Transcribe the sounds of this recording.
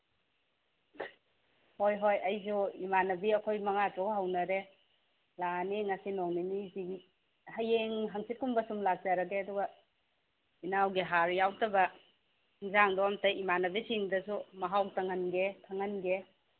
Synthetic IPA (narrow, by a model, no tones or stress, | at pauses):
hojɦojɐjzuimanɐbiɐkʰojmɐŋatɾawɦɐwnɐɾe | laniŋɐsinoŋniniziɡi | hɐjeŋɦɐŋsit̚kumbɐsumlak̚d͡ʒaɾɐɡeɐduɡɐ | inawɡiɦaɾjawtɐbɐ | iŋzaŋdɔɐmtɐimanɐbisiŋdɐsumɐɦawtʰɐŋɐnɡekʰɐŋɐnɡe